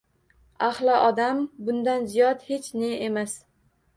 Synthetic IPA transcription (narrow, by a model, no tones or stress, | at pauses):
ahlˠɪʔɒd̪ambʊnd̪anzijɒt̪he̞t͡ʃne̞emas